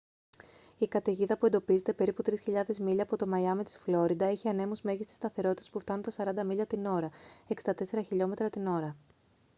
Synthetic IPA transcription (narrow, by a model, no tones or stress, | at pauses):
ikɐt̪eʝiðɐpued̪o̞pize̞t̪e̞pe̞ɾiput̪ɾisçiʎɐðe̞zmiʎɐːpo̞t̪o̞mɐjɐmit̪i̥sflo̞ɾid̪ɐeçiɐne̞muzme̞ʝist̪i̥st̪ɐθe̞ɾo̞t̪it̪espuft̪ɐnunt̪ɐsɐɾɐnd̪ɐmiʎɐt̪ino̞ɾɐeksd̪ɐt̪e̞se̞ɾɐçiʎo̞me̞t̪ɾɐt̪ino̞ɾɐ